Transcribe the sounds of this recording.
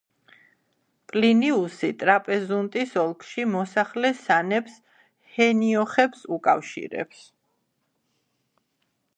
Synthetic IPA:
pʼliniusit̪ʼɾapʼɛzunt̪ʼisɔlˠkʰʼʃimɔsaχlɛsanɛps | hɛniɔχɛpsukʼafʃḭɾɛ̰ps

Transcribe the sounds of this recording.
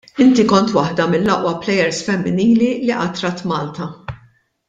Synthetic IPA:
ɪnt̪ikɔnt̪wɐħd̪ɐmɪlːɐʔwɐplɛjɛɾsfɛmːɪniːliliʔɐt̪ɾɐt̪mɐːlt̪ɐ

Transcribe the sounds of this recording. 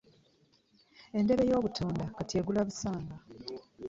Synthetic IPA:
e̞nde̞βe̞jo̞ːβutʰoːndakatʰeːɡulaβusaːŋɡa

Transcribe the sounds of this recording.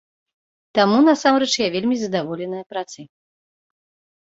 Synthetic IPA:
t̪amunɐsamɾɛt͡ʂjavʲelʲmʲizɐd̪avɔlʲɛnɐjɐpɾat̪sɨ

